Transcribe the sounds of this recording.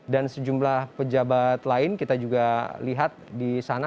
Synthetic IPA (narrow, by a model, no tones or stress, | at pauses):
dansəd͡ʒumlahpəd͡ʒabat̪laɪnkit̪ad͡ʒuɡaliɦat̪̚disana